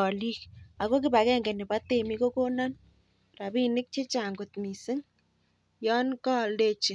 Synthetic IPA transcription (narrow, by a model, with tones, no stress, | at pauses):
ɔ˨li˦ka˨ko˦k̬ɪ˦ba˨kɛ˦ŋɡɛ˨nɪ˨ba˦t̪e˦˨mi˦ko˦ko˦na˦n | ra˨bi˦nɪ˦k̚t͡ʃe˦t͡ʃa˨ŋɡʊ˨t̪mi˨sɪ˦ŋ | jɔ˦nkɔ˦le˦t͡ʃɪ˨